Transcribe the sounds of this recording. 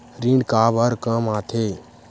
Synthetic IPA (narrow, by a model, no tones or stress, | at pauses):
ɾĩɳɖkaːbəɾkəmaːt̪ʰe